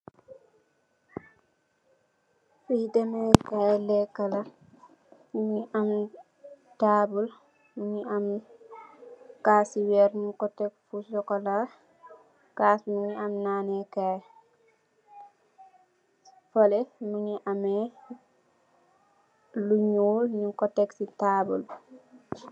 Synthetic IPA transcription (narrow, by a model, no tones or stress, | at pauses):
fidɛmɛkajlɛkːala | muɲiʔam | taːbul | muɲiam | kasiwɛɾnikɔtɛkfusɔkɔla | kaːsmuɲiamnaːnɛkaj | fɔlɛmuɲiʔamɛ | luɲuːlɲiŋkɔtɛksitaːbul